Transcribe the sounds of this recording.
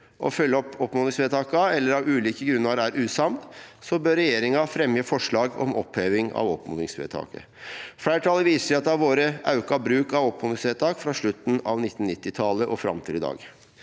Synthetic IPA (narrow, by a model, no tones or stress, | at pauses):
ʔɔ̰fœlːəɔpːɔpmoːnɪŋsʋeːt̪ʰɑːkɑɛlːəɾɑʋʉːliːkəɡɾʉnːɑɾæːɾʔʉːsɑmd̪sɔbøːɾɛjeːɾɪŋɑfɾɛmjəfɔʂɭɑːɡɔ̰mɔ̰pheːʋɪŋɑ̰ʋɔ̰pmo̰nɪ̰ŋsʋḛːt̪ʰɑ̰ːkə̰ | fɽæːʈʰɑləʋiːsəʂɛɑt̪d̪ɑʋoːɾəʔɑʉkɑbɾʉːkɑʋɔpmoːd̪ɪŋsʋeːt̪ʰɑːkfɾɑʂɭʉt̪ːn̩ɑ̰ʋnɪt̪ːn̩nɪt̪ːɪt̪ʰɑləʔɔfɾɑ̰mt̪ʰiːd̪əd̪ɑ̰ːɡ